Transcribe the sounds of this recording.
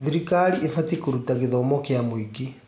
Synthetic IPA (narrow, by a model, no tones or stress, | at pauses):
ðiɾikaɾiʔefatikuɾutaɣeðaomɔkeamoiki